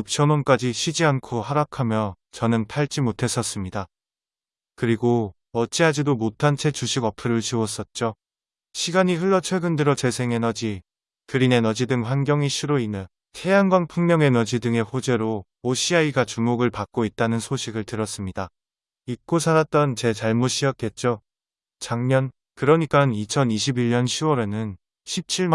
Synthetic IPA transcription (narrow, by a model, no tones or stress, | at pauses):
jup̚t͡ɕʰʌnʌnk͈ad͡ʑiɕʰid͡ʑiankʰohaɾakʰamjʌ | t͡ɕʌnɯntʰaɭt͡ɕ͈imotʰe̞s͈ʌs͈ɯmɲida | kɯɾiɡo | ʌt͡ɕ͈iɦad͡ʑidomotʰant͡ɕʰe̞t͡ɕuɕʰiɡʌpʰɯɾɯɭt͡ɕiwʌs͈ʌt̚t͡ɕ͈o | ɕʰiɡaɲiɸɯɭːʌt͡ɕʰweɡɯndɯɾʌt͡ɕe̞sʰe̞ŋe̞nʌd͡ʑi | kɯɾine̞nʌd͡ʑidɯŋɸwanɡjʌŋiɕʰiɾoinɯn | tʰe̞jaŋɡwaŋpʰuŋmjʌŋe̞nʌd͡ʑidɯŋe̞ɸod͡ʑe̞ɾoː | ɕʰiaiɡat͡ɕumoɡɯɭpak͈̚oit̚t͈anɯnsʰoɕʰiɡɯɭtɯɾʌs͈ɯmɲida | ik̚k͈osʰanat̚t͈ʌnt͡ɕe̞t͡ɕaɭmuɕʰiʌk̚k͈e̞t̚t͡ɕ͈o | t͡ɕaŋɲʌn | kɯɾʌɲik͈anit͡ɕʰʌniɕʰibiʎɲʌnɕʰiwʌɾe̞nɯn | ɕʰip̚t͡ɕʰiɭ